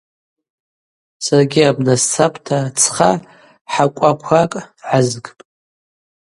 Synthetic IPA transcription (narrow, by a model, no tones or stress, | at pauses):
sarɡʲiabnast͡sʰapʷʰʼtʰat͡sʰχa | ħakʷʼakʷʰakʼʕazɡʼpʼ